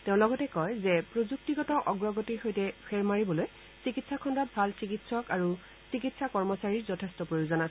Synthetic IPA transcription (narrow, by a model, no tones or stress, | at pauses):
teʊ̃lɔɡɔtɛkɔjzɛpɹozuk̚tiɡɔtɔʔɔɡɹɔɡɔtiɹxojtɛpʰɛɹmaɹibɔloj | sikitsakʰɔndɔt̚bʱalsikitsɔkaɹu | sikitsakɔɹmɔsaɹiɹzɔtʰestɔpɹojozɔna